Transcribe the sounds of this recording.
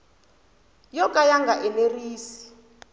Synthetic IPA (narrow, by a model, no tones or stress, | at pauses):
jɔkʼajaŋɡaʔɛleriːsi̥